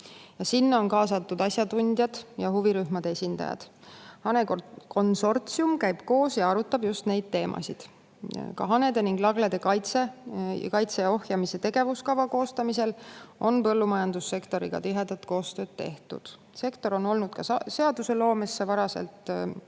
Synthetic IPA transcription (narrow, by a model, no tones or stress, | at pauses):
jɑsinːɑo̞nkɑːsɑt̪ːˑud̪ɑsjɑd̪unʲd̪̥jɑd̪̥jɑɦuviɾyhmɑd̪̥ee̞sʲind̪ɑ̰jɑ̰d̪̥ | hɑneko̞nso̞rt̪siumkæjb̥ko̞ːsjɑɑɾut̪ːˑɑb̥just̪ne̞jd̪̥̚t̪e̞ːmʔɑ̰sid̪̥ | kɑɦɑned̪e̞niŋɡ̥lɑɡled̪e̞kɑjt̪sekɑjt̪seo̞hjɑmise̞t̪e̞ɡ̥e̞vuskɑvɑko̞ːst̪ɑmise̞lo̞npɤ̞lːumɑjɑnd̪usːe̞kt̪o̞ɾiɡ̥ɑ̰t̪iɦe̞d̪̥ɑt̪ko̞ːst̪øːd̪̥̚t̪ːe̞̰ht̪ṵd̪̥ | se̞kt̪o̞ɾo̞no̞lnud̪̥kɑse̞ɑd̪use̞lo̞ːme̞sːe̞vɑɾɑse̞̰lt̪